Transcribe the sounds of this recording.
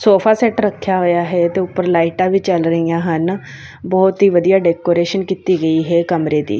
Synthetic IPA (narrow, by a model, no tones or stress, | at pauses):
soːpʰaːsɛːʈɾəkʰːjaːɦoːjaːɦɛːt̪eːʊpːəɾlaːiʈaːʋiːt͡ʃəlɾəiːãːɦən | bɔːt̪ɦiːʋəd̪ijaːɖɛːkoːɾeːʃənkit̪iːɡəiːɦɛːkəmɾeːd̪ḭː